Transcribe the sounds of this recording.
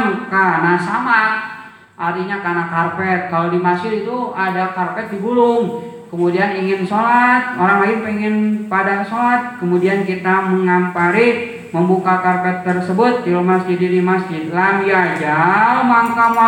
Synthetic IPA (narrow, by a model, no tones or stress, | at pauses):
ŋkanasama | ʔart̪iɲakanakarpɛt̪̚kalodimasɪlit̪uadakarpɛt̪̚diɡulʊŋ | kəmudianiŋɪnsolat̪̚oɾaŋlaɪnpɛŋɪnpadaŋsolat̪̚kəmudiankit̪aməŋampaɾi | məmbukakarpɛt̪ːərsəbʊt̪̚filomasd͡ʒidiɾimasd͡ʒit̪lamijad͡ʒamaŋkama